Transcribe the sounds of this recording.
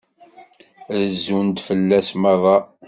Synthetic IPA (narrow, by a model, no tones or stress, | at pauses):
ðəzund̪fəlːæsmɑðˤɑ